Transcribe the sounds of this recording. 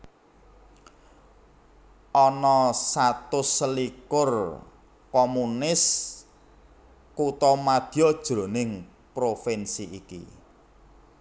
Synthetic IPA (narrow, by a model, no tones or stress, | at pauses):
ʔɔnɔsat̪ʊsəlikʊr | komunɪs | kut̪ɔmad̪̥i̤ɔd̥ʒ̥ɾo̤nɪŋ | pɾofɛnsiʔikḭ